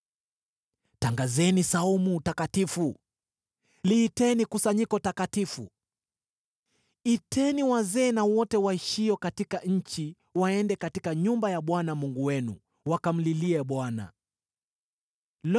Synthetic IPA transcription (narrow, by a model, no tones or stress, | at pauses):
taŋɡazɛnisaumutakatifu | liːtɛnikusaɲikɔtakatifu | itʰɛniwazɛːnawɔtɛwaiʃiɔkatikaɲ̩t͡ʃi | waɛndɛkatikaɲumbajaɓwanamuŋɡuwɛnṵ | wakam̩liliɛɓwana̰ | l